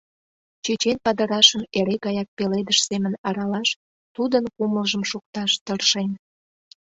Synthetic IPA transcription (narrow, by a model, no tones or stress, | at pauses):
t͡ɕet͡ɕenpɑd̪əɾɑʃəmeɾekɑjɑk̚peled̪əʃsemənɑɾɑlɑʃ | t̪ud̪ənkuməlʒəmʃuk̚t̪ɑʃt̪ərʃen